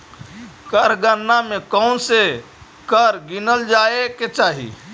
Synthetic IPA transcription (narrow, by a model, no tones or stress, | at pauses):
kəɾɡənːamẽkəʊnse | kəɾɡinəld͡ʒaːeket͡ʃaːɦḭ